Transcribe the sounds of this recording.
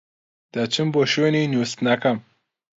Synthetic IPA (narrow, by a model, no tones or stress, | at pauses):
d̪̥at͡ʃʰɨmboʃeninuwst̪nakɐm